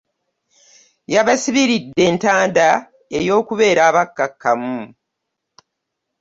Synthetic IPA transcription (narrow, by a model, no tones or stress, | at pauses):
jaβasiβiɾidːe̞ːntaːnda | ejo̞ːkuβe̞ːɾaːβakːakːamu